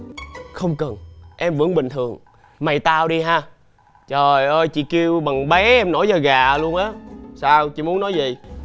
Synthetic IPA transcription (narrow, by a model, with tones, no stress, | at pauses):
xə˧wŋ͡mkə˨˩nʔɛ˧mvɨ̰˧˥əŋɓï˨˩ŋ̟t̪ʰɨ˨˩əŋ | ma˨˩jt̪aː˧wɗi˧ɦaː˧ | t͡ɕəː˨˩jʔəː˧jt͡ɕḭ˧˨ki˧wɓa˨˩ŋɓɛ˨˦ʔɛ˧mno˧˥˦jzaː˧˩ɣaː˨˩lu˧ənʔaː˨˦saː˧wt͡ɕḭ˧˥mu˨˦ənːɔ˨˦jzḭ˨˩